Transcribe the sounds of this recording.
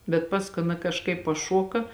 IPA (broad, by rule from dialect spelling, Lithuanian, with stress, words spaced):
bʲɛt ˈpɑːskʊɪ ˈɑːˌnɐ kɐʃˈkɐɪp pɐˈʃoːkɐ